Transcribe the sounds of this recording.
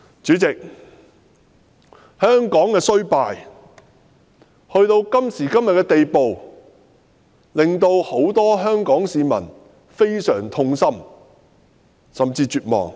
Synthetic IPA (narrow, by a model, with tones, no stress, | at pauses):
t͡syː˨˥t͡sɪ˨k̚ | hœː˥ŋkɔː˨˥ŋkɛː˧sɵ˥ɥpaː˨j | hɵ˧ɥt̪o˧wkɐ˥msiː˨˩kɐ˥mjɐ˨t̚kːɛː˧t̪e˨jpo˨w | lɪ˨ŋt̪o˧who˨˥wt̪ɔː˥ɦœː˥ŋkɔː˨˥ŋsiː˨˧mɐ̰˨˩n | fe˥jsœː˨˩ŋt̪ʰʊ˧ŋsɐ˥m | sɐ˨mt͡siː˧t͡ʃyː˨t̚mɔ̰ː˨ŋ